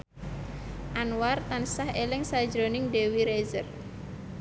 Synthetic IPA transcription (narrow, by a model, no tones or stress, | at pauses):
ʔanwart̪ansahelɪŋsḁd͡ʒɾonɪŋdewiɾezər